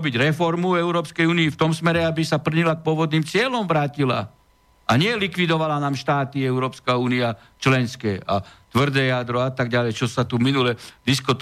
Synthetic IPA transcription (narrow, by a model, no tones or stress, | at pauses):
biɟɾɛfɔɾmuɛʊɾɔːpskɛjuːniːft̪ɔmsmɛɾɛabisapr̩ɲilak̚pʊɔʋɔd̪niːmt͡sɪɛlɔmʋɾaːcila̰ | ʔaɲɪɛlikʋid̪ɔʋalanaːmʃt̪aːt̪iɛʊɾɔːpskauːnia | t͡ʃlɛnskɛːa̰t̪ʋr̩d̪ɛːjad̪ɾɔat̪aɡ̚ɟalɛjt͡ʃɔsat̪uminulɛd̪iskɔt̪